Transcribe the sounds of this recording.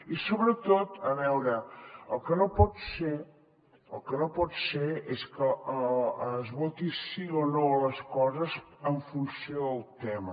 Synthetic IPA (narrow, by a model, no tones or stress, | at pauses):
isoβɾət̪ot̪əβɛwɾəəlˠkənopɔt̪se | əlˠkənopɔt̪seeskəəəzβɔt̪isionoələskɔzəzəɱfunsioðəlˠt̪ɛmə